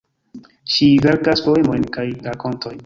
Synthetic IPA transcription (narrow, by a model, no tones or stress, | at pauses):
ʃive̞ɾkaspo̞e̞mo̞jnkajɾako̞ntʰo̞jn